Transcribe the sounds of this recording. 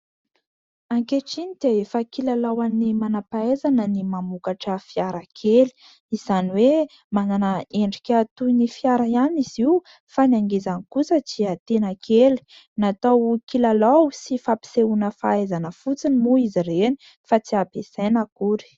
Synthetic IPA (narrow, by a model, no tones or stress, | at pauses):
aŋkeʈ͡ʂinid̪̥eefəkilalawanimanapaezanənimamukaʈ͡ʂəfiaɾakʰeli̥ | iz̥aniwe | mananəeɳɖ͡ʐikʲat̪uinifjaɾaaniz̥iw | fanaŋɡezanikusət͡siat̪enəkʰeli̥ | nat̪awkilalawsifapi̥seunəfaezanəfut͡sinimuizireni | fat͡siapesajnakuɾi̥